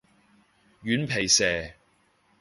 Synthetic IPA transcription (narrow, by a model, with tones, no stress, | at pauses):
jyː˨˥npʰe˨˩jsɛː˨˩